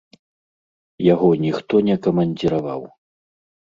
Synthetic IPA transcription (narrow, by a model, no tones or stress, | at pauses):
jaɣɔnʲixt̪ɔnʲɛkɐmɐnʲd͡zʲiɾavaw